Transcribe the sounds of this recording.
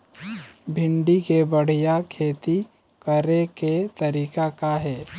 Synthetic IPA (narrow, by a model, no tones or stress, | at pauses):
bʱɪ̃ɳɖikebəɽ̤ijakʰeːt̪i | kəɾeket̪əɾiːkakaɦɛː